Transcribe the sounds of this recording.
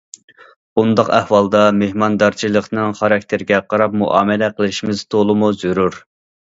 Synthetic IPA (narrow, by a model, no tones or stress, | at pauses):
b̥und̪ɑqæhwɑlˠd̪ɑmehmɑnd̪ɑɾt͡ʃʰilˠəqnɨŋχɑɾɑk̚ʲt̪ʰɪɾɪɡʲɛqʰɑɾɑp̚muʔɑːmɛlɛqʰəlˠɪʃimɪz̥t̪ʰolˠɨmuzyɾuɾ